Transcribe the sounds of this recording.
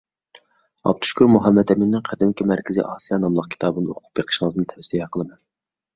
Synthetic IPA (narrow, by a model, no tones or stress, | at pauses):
ɑ̰p̚t̪ʰu̥ʃkʲuɾmuɦɑmːɛd̪ɛminnːɪŋqʰæd̪ɪmkʲʰimæɾkʲʰizḭʔɑːsijɑnɑmlˠəq̚kʲʰi̥t̪ʰɑːbɨnɨoqʰʊ̥p̚jeqʰə̥ʃɪŋəznɨt̪ʰɛvɛsiɡʲɛqʰəlˠɨmɑn